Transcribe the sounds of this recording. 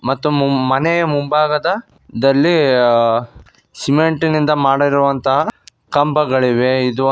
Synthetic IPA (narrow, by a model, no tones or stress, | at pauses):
mɐt̪ːumɐnɛjɐmumbaːɡɐd̪ɐ | d̪ɐlːi | simeɳʈinind̪ɐmaːɽɐiɾuʋɐnt̪ɐɦɐ | kɐmbɐɡɐɭiʋeid̪u